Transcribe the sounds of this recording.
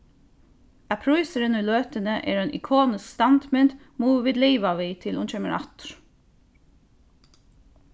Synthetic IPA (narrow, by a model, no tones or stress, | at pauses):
æpʰɾuɪsəɾɪnʏːløːt̪ənəʔḛːɾœnʔɪ̰kʰoːnɪskst̪ɑnd̪mɪnt̪ | muːʋɪd̪liːʋaʋiːt̪ʰɪlunt͡ʃɛməɾɑ̰t̪ɾ